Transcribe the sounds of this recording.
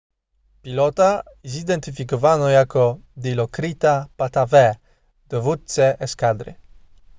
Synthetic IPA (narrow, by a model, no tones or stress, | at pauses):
pilɔt̪a | izid̪ɛnt̪ifikɔvanɔjakɔd̪ilɔkɾit̪apat̪avɛ | d̪̥ɔvut̪sɛʔɛskad̪ɾɪ̰